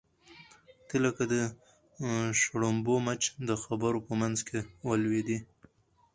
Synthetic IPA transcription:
t̪ilakad̪ə | ʃɽombomat͡ʃd̪əxabəɾopəmanzkewəlwed̪i

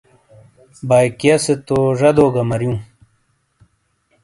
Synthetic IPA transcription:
baːjkijɐset̪oʐɐd̪oːɡɐmɐɾjũː

